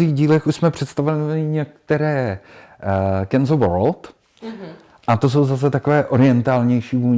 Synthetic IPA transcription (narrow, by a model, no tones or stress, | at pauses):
iːɣɟiːlɛxuʃsmɛpr̝̥ɛt̪st̪avɛɪɲɛk̚t̪ɛɾɛː | kɛnzovoɾolt̪ | ʔat̪o̞s̬o̞wzas̬ɛt̪akovɛːʔo̞ɾɪɛnt̪aːlɲɛjʃiːvuːɲ